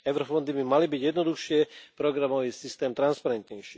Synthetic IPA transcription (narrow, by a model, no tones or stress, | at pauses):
ɛʊɾɔfɔnd̪ibimalibiɟjɛd̪nɔd̪uxʃɪɛpɾɔɡɾamɔʋiːsist̪ɛːmt̪ɾanspaɾɛnt̪ɲɛjʃiː